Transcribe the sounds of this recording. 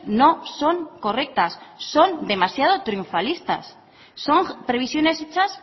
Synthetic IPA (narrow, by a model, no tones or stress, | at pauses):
nõsoŋko̞rek̚t̪assond̪e̞masjaðot̪ɾiuɱfalist̪a̰sː | oŋpɾe̞β̞isjone̞set͡ʃas